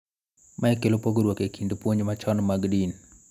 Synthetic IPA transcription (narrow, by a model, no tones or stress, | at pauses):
maɛkelopoɡɾwokekindopwoɲmat͡ʃɔnmaɡdin